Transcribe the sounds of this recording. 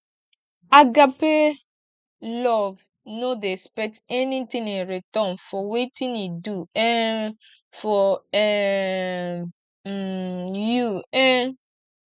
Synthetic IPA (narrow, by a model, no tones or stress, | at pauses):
aɡape | lɔv | nodespɛtɛnitĩŋĩnɹitɔ̃nfɔwetĩniduɛ | fɔɛ | juɛ̃n